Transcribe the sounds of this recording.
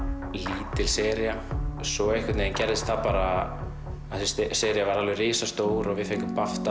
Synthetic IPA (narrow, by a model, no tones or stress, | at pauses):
liːt̪ɪlsɛːɾjasɔɣejhkʰvɪt̪neðɪncɛɾðɪst̪θapaːɾa | ɪssɛːɾjavaɾalvɛriːsast̪oːwɾɔɣvɪðfejŋkʏmpaft̪a